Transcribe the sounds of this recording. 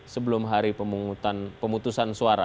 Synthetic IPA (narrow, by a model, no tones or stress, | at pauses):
səbəlʊmɦaɾipəmuŋut̪anpəmut̪usansuaɾa̰